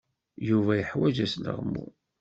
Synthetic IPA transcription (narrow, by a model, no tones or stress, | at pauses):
juvæjəħwæd͡ʒæslə̰ʁmːṵ